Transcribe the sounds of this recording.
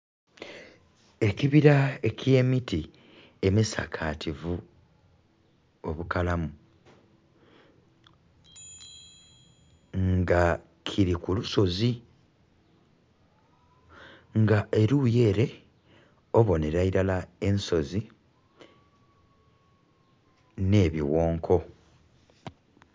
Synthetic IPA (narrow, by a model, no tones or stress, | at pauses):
e̞kiβiɾaekʰje̞ːmiti | e̞misa̰kʰaːtʰivu | o̞βukalamu | ŋɡa | kʰiɾikuluso̞zi | ŋɡaʔe̞ɾuːje̞ːɾe̞ | o̞βo̞ne̞ɾaiɾalae̞nso̞zi | ne̞ːβiwo̞ːŋkʰo̞